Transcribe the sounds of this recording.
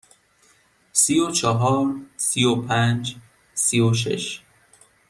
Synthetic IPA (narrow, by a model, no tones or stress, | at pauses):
sijot͡ʃʰɒɦɒːɾsiopʰænd͡ʒ | sijoʃ̬ḛʃ